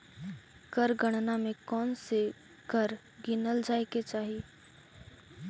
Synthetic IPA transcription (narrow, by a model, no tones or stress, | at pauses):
kəɾɡəɽ̃namẽkɔːnse | kəɾ | ɡɪnəld͡ʒaːɪket͡ʃaːɦi